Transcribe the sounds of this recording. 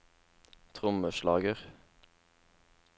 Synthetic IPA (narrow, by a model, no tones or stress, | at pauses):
t̪ʰʁʊməʃlɑːɡəʁ